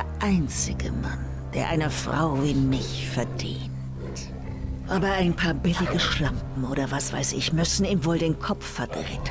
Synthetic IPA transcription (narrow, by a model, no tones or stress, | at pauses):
eːɐʔaɪnt͡sɪɡəma̰n | d̥eːɐʔa̰ɪnəfʁ̥a̰ʊviːmɪç | fɛɐdḭːn | t | ʔaːbɐaɪnpʰaːɐbɪlɪɡəʃlamp̚m̩ʔoːɾɐvasv̥a̰ɪsɪçmʏsn̩iːmvoːldeːnkʰɔpp͡fffɛɐdʁɛt